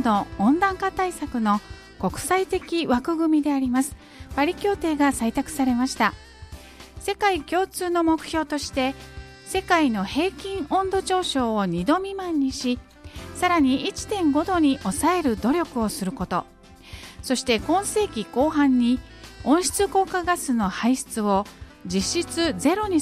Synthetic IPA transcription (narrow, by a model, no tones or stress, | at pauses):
d̪o̞õnd̪ãŋkat̪aisakɯ̟no̞ | ko̞kɯ̟̥sait̪e̞kʲiβakɯ̟ɡɯ̟mʲid̪e̞aɾʲimasɨ̥ | b̥aɾʲikʲo̞ːt̪e̞ːɡasait̪akɯ̟̥saɾe̞maɕi̥t̪a | se̞kaikʲo̞ːt͡sɨːno̞mo̞kɯ̟̥çʲo̞ːt̪o̞ɕi̥t̪e̞ | se̞kaino̞he̞ːkʲĩɰ̃õ̞nd̪o̞t͡ɕo̞ːɕo̞ːoɲ̟id̪o̞mʲimãɲ̟ːiɕi | saɾaɲ̟iʔit͡ɕi̥t̪ẽ̞ŋɡo̞d̪o̞ɲ̟iʔo̞sae̞ɾɯ̟d̪o̞ɾʲo̞kɯ̟o̞sɨɾɯ̟ko̞t̪o̞ | so̞ɕi̥t̪e̞kõ̞ɰ̃se̞ːkʲiko̞ːɦãɲ̟ːi | õ̞ɰ̃ɕi̥t͡sɨko̞ːkaɡasɨno̞haiɕi̥t͡sɨo̞d͡ʑiɕːit͡sɨze̞ɾo̞ɲ̟i